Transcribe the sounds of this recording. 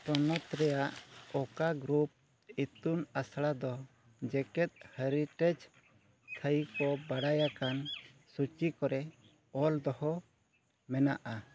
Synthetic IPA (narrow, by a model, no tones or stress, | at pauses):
pɔnɔt̪ɾɛjaʔɔkaɡɾup̚ | it̪unasɽad̪ɔ | d͡ʒɛkɛt̪̚həɾiʈɛd͡ʒ | t̪ʰəjkɔbaɽajakansut͡ʃikɔɾɛ | ɔld̪ɔhɔ | mɛnaʔa